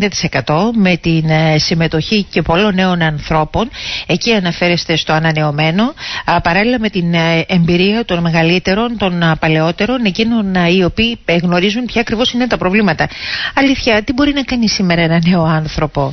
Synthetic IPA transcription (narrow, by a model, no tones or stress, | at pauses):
nd̪ɐt̪i̥se̞kɐt̪o̞me̞t̪insime̞t̪o̞çice̞po̞lo̞nːe̞o̞nɐnθɾo̞po̞ne̞ciɐnɐfe̞ɾe̞st̪e̞st̪oɐnɐne̞o̞me̞no̞pɐɾɐlilɐme̞t̪inembiɾiɐt̪o̞nme̞ɣɐlit̪e̞ɾo̞nt̪o̞npɐle̞o̞t̪e̞ɾo̞ne̞cino̞nio̞piːɣno̞ɾizunpçɐːkɾivo̞sinet̪ɐpɾo̞vlimɐt̪ɐɐliθçɐt̪ibo̞ɾinɐkɐnisime̞ɾɐenɐne̞o̞ɐnθɾo̞po̞